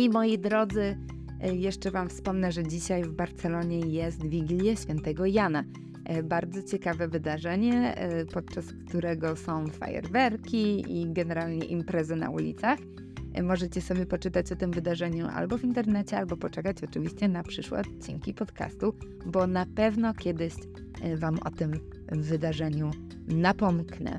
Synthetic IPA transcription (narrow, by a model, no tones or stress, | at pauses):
imɔjid̪ɾɔd̪zɘ | jɛʂt͡ʂɛvamfspɔmnɛʐɛd͡ʑiɕajvbaɾt̪sɛlɔɲɛjɛst̪vʲiɡʲlʲjɛɕfʲjɛnt̪ɛɡɔjana | baɾd̪zɔt͡ɕɛkavɛvɘd̪aʐɛɲɛpɔt̪̚t͡ʂaskt̪uɾɛɡɔsɔ̃w̃fa̰jɛ̰ɾvɛɾkʲiḭɡɛnɛɾalɲɛ̰ʔimpɾɛzɛna̰ṵlʲḭt̪sax | mɔʐɛt͡ɕɛsɔbʲjɛpɔt͡ʂɘt̪at͡ɕɔt̪ɘmvɘd̪aʐɛɲuʔa̰lbɔvʲint̪ɛɾnɛt͡ɕɛalbɔpɔt͡ʂɛkat͡ɕɔt͡ʂɘvʲiɕt͡ɕɛnapʂɘʂwɛ̰ɔt̪t͡ɕːḭŋkʲipɔt̪ka̰st̪u | bɔnapɛvnɔkʲɛd̪ɘɕ | vamɔ̰t̪ɘm | vɘd̪aʐɛɲu | napɔmknɛ̰